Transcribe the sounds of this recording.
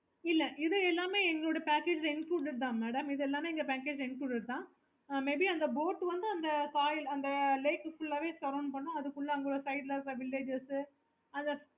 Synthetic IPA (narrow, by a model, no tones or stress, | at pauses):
ɪlːɛʔɪðɯɛlːaːmeːɛŋɡɐɭoːɽɐpaːkeːd͡ʒsɪnkuːɽɪɾt̪̬ãːmeːɽɐmɪðɛlːaːmeːɛŋɡɐpæːkeːd͡ʒɪnkluːɽɪɾɯt̪ːãː | meːbiɐnd̪ɐboːʈːʋɐnd̪ɯɐnd̪ɐkaːjɪlɐnd̪ɐleɪkːɯfʊlːɐʋeːsɐɾɐːɳnpɐɳːʊ̃ɐðɯkːʊɭːɐɐŋɡɐɭoːɭɐsɐɪɖlɐɾɐʋɪlːeːd͡ʒɪsɯ | ɐnd̪ɐ